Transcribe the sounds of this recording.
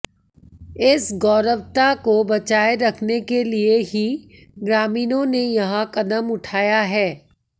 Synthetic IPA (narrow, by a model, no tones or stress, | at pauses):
ɪsɡɔːɾəʋt̪akobɐt͡ʃaːeɾɐkʰnekelieɦi | ɡɾaːmiːnõnejɐɦãqɐd̪əmʊʈʰaːjaɦɛː